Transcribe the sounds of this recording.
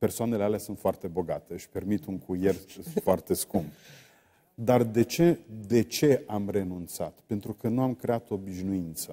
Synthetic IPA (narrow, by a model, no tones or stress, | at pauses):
pe̞rsoane̞lealeasunt̪foart̪e̞bo̞ɡat̪eəʃpe̞rmit̪uŋkʰuje̞rfoart̪e̞skumb | d̪ard̪e̞t͡ʃe̞d̪e̞t͡ʃe̞amre̞nunt̪sat̪pe̞nt̪ɾukənuamkɾe̞at̪o̞ːbiʃnuint̪sə